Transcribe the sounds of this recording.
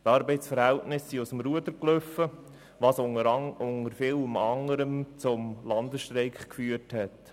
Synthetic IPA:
tɑːɾbɛɪsfəɾhæltnɪsːiʊsəmɾuəd̪əɾkløfə | vɑsʊŋəɾfɪləmɑŋəɾəmt͡sʊmlɑndəsʃtɾɛɪkχkfyːəthɛt

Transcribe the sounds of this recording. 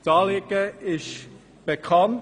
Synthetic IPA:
tɑːlɪɡəɪʃ | b̥ekʰɑn

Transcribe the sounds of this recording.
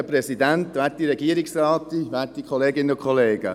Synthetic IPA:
əpɾɛsid̪æntʋæːɾtiɾɛɡiːəɾɪksɾaːt̪iʋæːtːikʰχɔleːɡɪnəʊkχɔleːɡ̥ə̰

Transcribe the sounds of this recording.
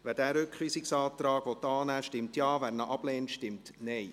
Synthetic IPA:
ʋæd̥æːɾøkχriːsɪksɑːt̪rɑːɡ̥ʋɔt̪ːɑːnæːʃtɪmtjɑːværnəʔɑb̥leːntʃtɪmtnɛɪ

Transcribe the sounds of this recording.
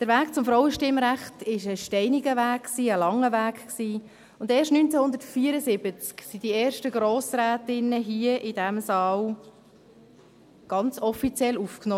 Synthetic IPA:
d̥əɾvæːkt͡sʊmfɾɔʊwəʃtɪmɾæχtɪʃəʃtɛɪniɡəvæːkksiːəlɑŋːəvæːkksiː | ʊndeːʃtnynt͡sɛhʊnd̪əɾtfiːəɾəzɪb̥ət͡sksid̥ieːɾʃtəɡɾoːsræːtɪnəɦiəʔɪd̥æmsɑːl | ɡ̥ɑnt͡sɔfit͡sjɛlufkno

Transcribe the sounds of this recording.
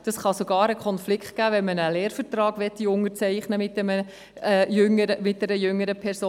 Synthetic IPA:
d̥ɑsχɑsoɡ̥ɑːɾəkʰɔnflɪkχt̚ɡ̥æːvɛnmənəleːɾfəɾt̪rɑːɡ̥ʋɛt̪ːiʊŋət͡sɛɪχnəmɪt̚dɛmə | jʏŋəɾəmɪt̚d̥ɛɾəjʏŋːəɾəpʰɛɾsoː

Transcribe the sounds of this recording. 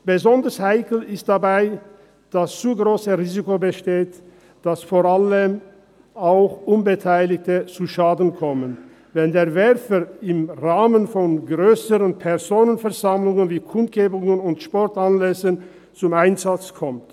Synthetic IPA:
b̥əzɔndəshaɪkl̩ɪst̚d̥abaɪ | d̥ast͡suːɡʁoːsəʁiːzikobəʃteːt | d̥asfoːʁaləm | aʊxʔʊnbətʰaɪlɪçtət͡suʃaːdn̩kʰɔmən | vɛndeːɐvɛʁfəɪmʁaːmənfɔnɡʁøːsəʁənpʰɛʁzoːnənfɛɐzamlʊŋənviːkʰʊnt̚ɡ̥eːbʊŋənʊntʃpɔɐtanlɛsən | t͡sʊmaɪnzat͡skʰɔmt

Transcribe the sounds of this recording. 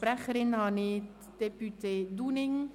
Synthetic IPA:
pɾɛxəɾɪnhɑːniː | d̪̥ɛpʉt̪ʰed̪uːnɪŋ

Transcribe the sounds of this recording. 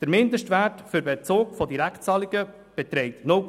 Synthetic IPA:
d̥əɾmɪnd̪əʃtʋætfʏɾbɛt͡soːkfɔdiɾæktt͡sɑːliɡə | b̥ɛt̪ɾɛɪt̪nʊ

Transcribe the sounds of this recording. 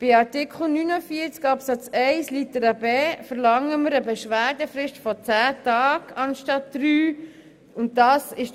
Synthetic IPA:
b̥ɪɑɾtɪkʰχl̩nynəfiət͡skɑpsɑt͡sɛɪslitəɾɑbɛːfəɾlɑŋəməɾəbɛʃʋæːɾdəfɾɪʃtfɔt͡sæːtɑːɡ̥ɑnʃtɑtd̥ɾyː | ʊntdɑːsɪʃ

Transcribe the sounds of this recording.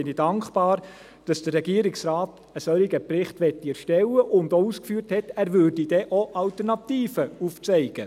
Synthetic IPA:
ɪnid̥ɑŋkχb̥ɑːɾ | d̥ɑsd̥ərːɛɡiːɾɪksrɑːt | əsœliɡəprɪχtʋɛtːiɛɾʃtɛwəʔʊndouːskfyːrthɛtæːɾʋʏɾd̥idɛʔoʔɑltəɾnɑt̪iːfəuft͡sɛɪɡ̥ə

